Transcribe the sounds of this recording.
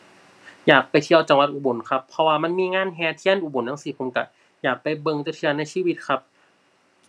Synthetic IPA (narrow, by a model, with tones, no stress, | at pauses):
jaː˨˩k̚pa˧jt̪ʰi˧əwt͡ɕa˨˧˩ŋwa˧t̪̚ʔuː˧˩bo˨˩˦nkʰa˦˥pʰːɔ˧waː˧ma˧˥˨nmiː˧ŋaː˧˥˨nɦɛː˧t̪ʰi˧˥ə˨nʔuː˧˩bo˨˦ntʰa˧˥˩ŋsiː˨˩kʰo˧mka˧ | jaː˨˩k̚pa˨jbɤ˧ŋt͡ɕa˧˩t̪ʰi˧ɐ˧na˧˩jsiː˧˥˨wi˧t̪̚kʰa˦˥p̚